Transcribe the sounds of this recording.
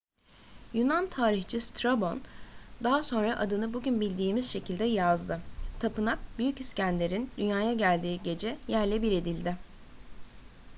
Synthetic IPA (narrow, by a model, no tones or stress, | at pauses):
junant̪ʰaːɾixt͡ʃʰist̪ɾabo̞nd̪aɦaso̞nɾaʔad̪ɯnɯbuɟynbilʲd̪iːmiz̥ʃe̞cʰilʲd̪ɛjazd̪ɯt̪ʰapɯnak̚byjyciscænlʲe̞ɾind̪ynjaːjaɟælʲd̪iːɟe̞d͡ʒɛjæɾlʲɛbiɾe̞d̪ilʲd̪ɪ